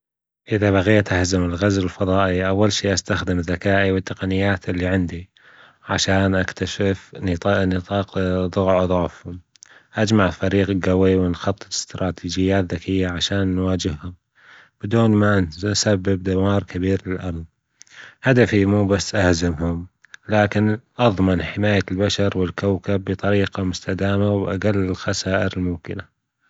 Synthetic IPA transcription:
ʔɪðaβaɣeːt̪ʔahzɪmɪlɣazɪlfɑðˤɑːʔiʔawːalʃiːʔast̪axd̪ɪmðːakaːʔiwɪt̪ːɑqɑnɪjːaːt̪ʔɪlːiʕɪnd̪i | ʕa̰ʃaːnʔakt̪aʃɪfnɨt̪ˤɑːqðˤʊɣʕðˤʊʕfhʊm | ʔad͡ʒmaʕfaɾiːqɡawiwɪnxɑt̪ˤːɨ̥t̪ɪ̥st̪ɾˤɑːt̪ʰiːd͡ʒɪjːaːt̪ðakɪjːaʕaʃaːnːwaːd͡ʒɪhhʊm | b̥ɪd̪uːnmansabːɪb̚d̪awɑːɾˤkabiːɾlɪlʔamð | had̪afimuːbasːʔahzɪmhʊm | laːkɪnʔɑðˤmɪnħɪmaːjalbaʃɑɾˤwɪlkawkabːɨt̪ˤɑɾiːqamʊst̪ad̪aːmawʔa̰ɡalːɪlxasaːʔɪɾɪlmʊmkɪna

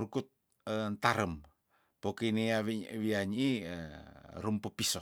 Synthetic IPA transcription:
ɾukut̪̚ | ənt̪aɾəm | pokiniawiaɲi | ɾumpupisɔ

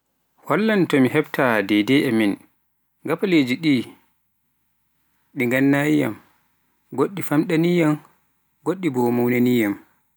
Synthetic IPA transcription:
hɔlːantɔmiɦɛbtʰadɛjdɛɛmin | ɡapaled͡ʒiɗi | ɗiŋɡanːaːjija̰m | ɡoɗːifamɗanijam | ɡoɗːibɔmawnanijam

